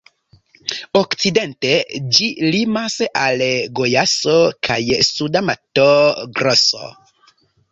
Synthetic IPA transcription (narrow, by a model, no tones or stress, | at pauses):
okt͡side̞nte̞d͡ʒilimasalɡojasokʰa̰jsudamatoɡɾoso̰